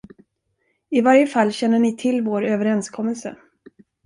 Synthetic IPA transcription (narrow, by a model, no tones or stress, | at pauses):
ɪvaɾjəfalːɕɛnːəɳɪt̪ʰɪlːvoːɾøːvəɾɛnskʰɔmːəlsə̰